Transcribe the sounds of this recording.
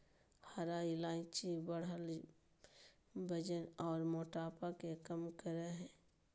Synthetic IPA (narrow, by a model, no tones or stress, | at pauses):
haɾailaːt͡ʃibəɽal | bəd͡ʒənɔːɾmoːʈaːpakekəmkəɾeɦɛ̃ː